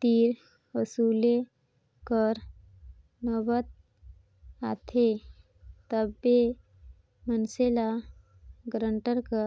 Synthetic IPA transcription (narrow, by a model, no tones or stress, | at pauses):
t̪iːɾ | əsuːle | kəɾ | nəbət̪̚ | at̪ʰe | t̪əbːe | mənsela | ɡɾəɳʈəɾkə